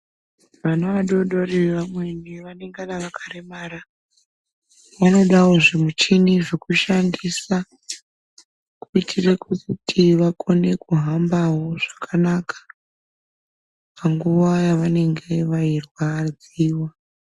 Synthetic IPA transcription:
ʋanoʋaɗo̞ɗo̞rieʋamwe̞niʋane̞ŋɡanaʋakaremaːɾa | ʋano̞ɗawo̞ʐemut͡ʃiniʐekuʃandisa | kuitʰire̞kutʰiʋako̞ne̞kuɦambaɦo̞ʐ̥akʰanakḁ | pʰaŋɡuʋajaʋane̞ŋɡe̞ʋairwad͡z | iːwa

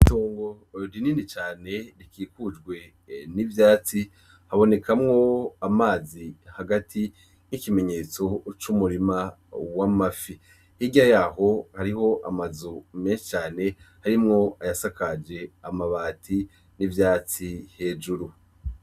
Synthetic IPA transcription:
itoːŋɡo̞ | ɾininit͡ʃaːne̞ɾikiːkud͡ʒɡwe̞ | nivjaːt͡si | haβo̞ne̞kamŋo̞amaːzihaɡatʰi | nikime̞ɲe̞ːt͡so̞t͡ʃumuɾima | wamafi | hiɟajaːɦo̞haɾiho̞ʔamazume̞ːnʃi̥t͡ʃaːne̞haɾimŋo̞ajasakad͡ʒe̞amaβaːtʰi | nivjaːt͡sihe̞ːd͡ʒuɾu

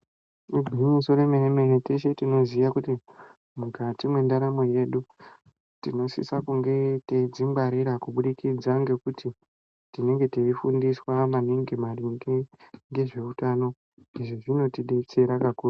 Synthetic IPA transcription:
ubʱinisoremeremereteʃe̞tino̞zijakuti | mukʰatimwe̞ndaɾamo̞je̞ɗu | tino̞sḭsakuŋɡe̞teid͡zimbaɾiɾakuɓuɗikid͡zaŋɡe̞kuti | tine̞ŋɡe̞teifundiswamaniŋɡimaniŋɡiŋɡe̞ʐe̞utano̞ | iʐo̞ʐino̞tiɗe̞t͡se̞ɾakakuːre

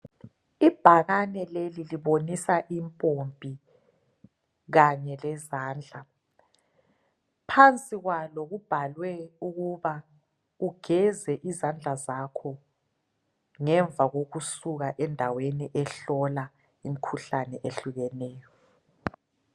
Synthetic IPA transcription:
ib̥ʱaɣanɛleliliβonisaʔimpʼompʼi | ɣaɲɛlɛzaːnd͡ɮʱa | pʰant͡sʼiɣwaloɣub̥ʱalwɛuɣuβa | uɡ̥ʱɛzɛʔizand͡ɮʱazakʰɔ | ŋɛɱvʱaɣoɣusuɣaʔɛndʱaweniʔɛɬɔla | imikʰuɬanɛʔeɬuɣɛnɛːjɔ

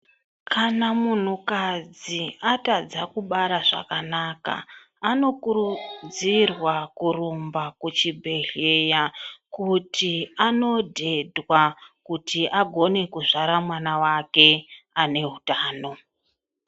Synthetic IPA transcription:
kʰanamun̤ukad͡ziatad͡zakuɓaɾaʐa̰kanaka̰ | ano̞kurud͡zirwakurumbakut͡ʃibʱe̞ɮejakutʰiano̞dʱe̞dʱwakutiʔaɡʱo̞ne̞kuʐaɾamwanawake̞ane̞ɦutaːno̞

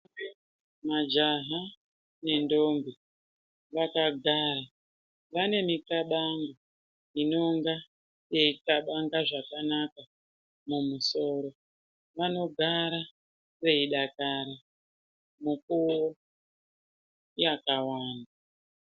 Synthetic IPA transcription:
mad͡ʒaɦa | ne̞ndo̞mbi | ʋakaɡʱaːɾa | ʋane̞mikaɓaŋɡa | ino̞ŋɡa | je̞itaɓaŋɡaʐakanaka | mumuso̞ɾo̞ | ʋano̞ɡʱaɾa | re̞iɗakaɾa | mukuo | jakawaːnda

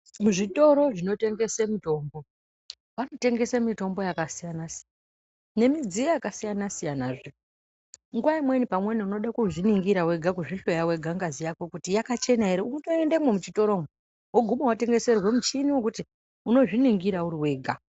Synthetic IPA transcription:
muʐito̞ɾo̞ʐino̞te̞ŋɡe̞semito̞ːmbo̞ | pano̞te̞ŋɡe̞semito̞mbo̞jakasijanasi | ne̞mid͡zijojakasijanasijanaʐe | ŋɡuwaimwe̞nipamwe̞niuno̞ɗakuʐiniŋɡiɾawe̞ɡʱak̬uʐiɬo̞jawe̞ɡʱaŋɡazijako̞kutijakat͡ʃe̞naeɾiuutoendememut͡ʃito̞ɾome | woɡʱumowate̞ŋɡese̞rwemut͡ʃiniwok̬uti | uno̞ʐiniŋɡiɾauɾiwe̞ːɡʱa

